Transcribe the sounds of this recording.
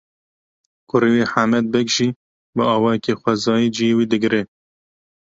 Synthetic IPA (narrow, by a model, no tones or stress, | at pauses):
kʊɾiweːħamɛd̪̚bɛkʒiː | bəɑːwɑːjɛkeːxʷɛzɑːjiːd͡ʒijeːwiːd̪ɨɡɾeː